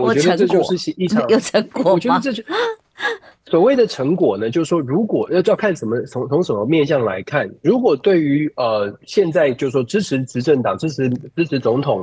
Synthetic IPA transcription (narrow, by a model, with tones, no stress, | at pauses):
wɔ˨˩t͡ɕɛ˧˥d̪ə˧ʈ͡ʂə˧t͡ɕjo˥˧ʊɻ̩˥˧ɕi˥˩ʈ͡ʂʰɑ˦ŋo˨ʈ͡ʂʰə˧˥kwɔ˨˩ɔ˨˩t͡ɕɥɛ˧˥dʈ͡ʂɤ˥˧t͡ɕ | swɔ˨˩we˥˩ɪd̪ə˨ʈ͡ʂʰɤ˧˥ŋkwɔ˨˩nə˦t͡ɕjo˥˧ʊ˥ʂwɔ˥ɻu˧˥kwɔ˨˩˥jɑ˥˧ʊkʰa˥˩nʂə˧˥nmə˦˧t͡sʰʊ˧˥ŋt͡sʰʊ˧˥ŋʂə˧˨˦mə˧mjɛ˥˧nɕjɑ˥˩ŋla̰˧˥ɪkʰa˥˩nɻu˧˥kwɔ˨˩t̪we˥˩ɪy˧˥ə˩ɕjɛ˥˧nt͡sa˥˧ɪt͡ɕjo˥˧˥ʂwɔ˥ʈ͡ʂɻ̩˥ʈ͡ʂ̩ʰ˧˥ʈ͡ʂɻ̩˧˥ʈ͡ʂə˥˩ŋt̪ɑ˨˩ŋʈ͡ʂɻ̩˥ʈ͡ʂ̩ʰ˧˥ʈ͡ʂɻ̩˥ʈ͡ʂʰɻ̩˧˥t͡sʊ˧˥ŋt̪ʰʊ˨˩˦ŋ